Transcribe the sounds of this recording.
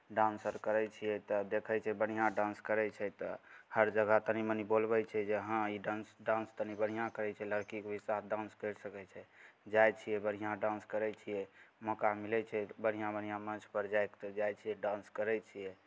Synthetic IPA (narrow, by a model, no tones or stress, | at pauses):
ɖãnsəɾkəɾɛt͡ʃʰijɛt̪ɔd̪ekʰɛt͡ʃʰɛbəɽ̤̃ijãɖãnskəɾɛt͡ʃʰɛt̪ɔ̰həɾd͡ʒəɡət̪ənimənibolbɛt͡ʃʰɛd͡ʒeɦãiɖãnsɖãnst̪ənibəɽ̤̃ijãkəɾɛt͡ʃʰɛləɾkikbisasɖãnskəjɾsəkɛt͡ʃʰɛd͡ʒajt͡ʃʰijɛbəɽ̤ijãɖãnskəɾɛt͡ʃʰijɛmɔkamilɛt͡ʃʰɛbəɽ̤ijãbən̤ijãmə̃nt͡ʃʰpəɾd͡ʒajkt̪ɔd͡ʒajt͡ʃʰijɛɖãnskəɾɛt͡ʃʰijɛ